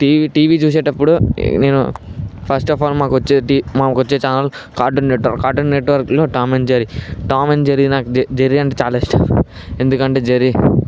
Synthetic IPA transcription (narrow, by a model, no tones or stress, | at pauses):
ʈiːiʈiːʋit͡ʃuːs̬eːʈɐpːuɽuneːnṵpʰɐsʈɔːpaːlmaːkʋɐt͡ʃːeʈiːmamɐkot͡ʃːeːt͡ʃaːlaːlo | kaːɾɖɐnːeʈʋɐɾkaːɾʈɐnːeʈʋɐɾkloːʈaːmeɳʈd͡ʒɐɾiʈaːmeɳd͡ʒɐɾinaːkud͡ʒd͡ʒɐɾiɐɳʈeːt͡ʃaːlɐisʈa̰ɾu | e̞nd̪ukɐɳʈe̞ːd͡ʒɐɾi